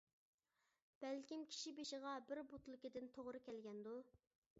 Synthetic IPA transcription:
b̥ɛlkʲimkʲʰi̥ʃibeʃɪʁɑbɪɾbot̪lˠɨkʲid̪ɪnt̪ʰoʁɾɨkʲʰɛlɡʲɛnd̪u

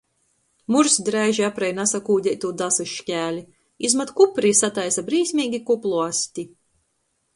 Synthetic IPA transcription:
muɾsd̪ɾajʒiapɾajnasakuːɟ̪ʲɛjt̪uːd̪asɨʃkʲæːlʲi | izmat̪kupɾisat̪ajsabɾiːsʲmʲiːɡʲikuplˠuasʲt̪ʲi

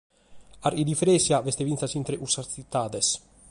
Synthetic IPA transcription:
aɾid̪ifɾɛsjavɛst̪evinsasint̪ɾeʔusatit̪ːaːd̪ɛs

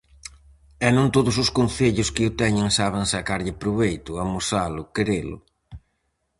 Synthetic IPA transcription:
ɛnõnt̪oðʊsʊskonθeʎʊskɪʊt̪ɛɲɪŋsaβ̞eŋsakaɾʎɪpɾuβejt̪ʊamosalʊkeɾelʊ̰

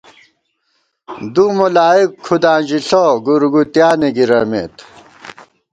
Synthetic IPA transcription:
d̪umulaːikʰːud̪ãːʑiɬoɡuɾɡut̪jaːneɡiɾɐmḛt̪

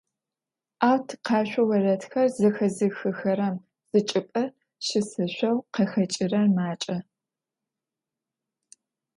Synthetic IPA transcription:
ʔaːwtʰqɑːʃʷɐwɐrɐtxɐrzɐxɐzɨxɨxɐɾɐm | z̥ɨt͡ʃʼɪpʼɐ | ʃɪsɨɕʷɐwqɐxɐt͡ʃʼɪrɐrmaːt͡ʃʼɐ

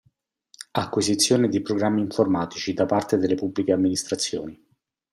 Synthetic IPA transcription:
akːwizit̪sːjoːned̪ipɾoɡɾamːiːɱformaːt̪it͡ʃid̪apart̪ed̪elepubːlikeamːinist̪ɾat̪sːjo̰ːni

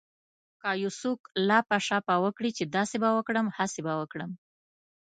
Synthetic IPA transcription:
kɑjusuklɑpaʂɑpɑwəkɽit͡ʃed̪ɑsebawəkɽəmhasebawəkɽəm

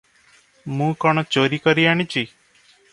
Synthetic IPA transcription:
mũkɔɽ̃ɔt͡ʃoɾikɔɾiaɽ̃it͡ʃʰi

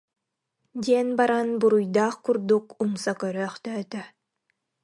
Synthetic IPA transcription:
d̪iɛnbaɾanbuɾujd̪aːχkuɾd̪ukumsakœɾœːχt̪œːt̪œ

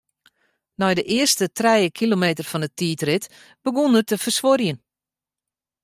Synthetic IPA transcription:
nɔjdəʔɪərstətrɛjəkʰilomeːtərfɔnətiːtrɪt | b̥əɡondərtəfərsʋorjən

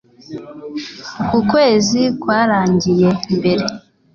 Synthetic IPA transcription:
kukwe̞ːzikwaːɾaːɲɟije̞mbe̞ɾe̞

